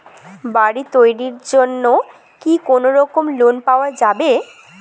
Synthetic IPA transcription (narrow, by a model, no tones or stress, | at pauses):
baɽit̪ojɾiɾd͡ʑonːo | kikonoɾɔkomlonpaoad͡ʑabe